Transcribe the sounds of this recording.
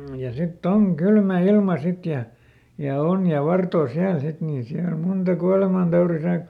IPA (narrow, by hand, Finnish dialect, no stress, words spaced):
jɑ sitː oŋ kylmæ ilmɑ sit jɑ jɑ on jɑ ʋɑrtoː siæl sit niːn siæl muntɑ kuɑlemɑntɑuri sɑi